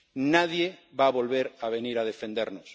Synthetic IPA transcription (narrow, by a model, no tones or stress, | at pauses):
nað̞jeβaβolβeɾaβ̞eniɾað̞efẽnd̪eɾnos